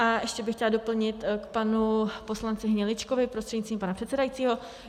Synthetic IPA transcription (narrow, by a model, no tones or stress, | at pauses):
ʔaɛʃcɛbɪxcɛlado̞pl̩ɲɪt̪kpanupo̞slant͡sɪɦɲɛlɪt͡ʃkovɪpɾost̪r̥ɛdɲit͡s̪viːmpanapr̥ɛt̪sɛdajit͡siːɦo̞